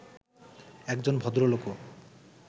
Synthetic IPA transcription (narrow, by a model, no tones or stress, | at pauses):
ɛkd͡ʑonbʱɔd̪ɾoloko